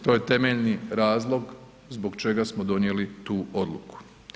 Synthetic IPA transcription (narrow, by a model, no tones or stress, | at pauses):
t̪o̞ːjet̪e̞meʎniɾaːzlˠo̞ɡ | zbo̞ɡt͡ʃe̞ɡasmod̪o̞nje̞lit̪uːo̞d̪luku̥